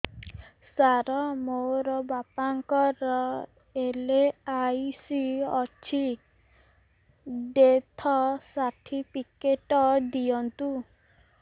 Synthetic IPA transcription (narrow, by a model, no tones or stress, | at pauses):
saɾɔmoɾɔbapaŋkɔɾɔ | eleajsiɔt͡ʃʰi | ɖet̪ʰɔsaʈʰipikeʈɔd̪iɔnt̪u